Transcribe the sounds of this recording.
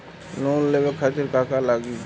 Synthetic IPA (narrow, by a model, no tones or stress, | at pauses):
loːnleʋəkʰat̪ɪɾkaːkalaɡi